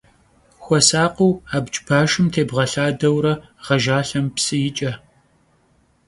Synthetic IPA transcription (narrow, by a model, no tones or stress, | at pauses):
xʷɔsaːqəwaːbt͡ʃʼb̥aːʃɨmtʰeːbʁɐɬaːdɐwɾɐ | ʁɐʒaːɬɐmpsɨjɪt͡ʃʼɐ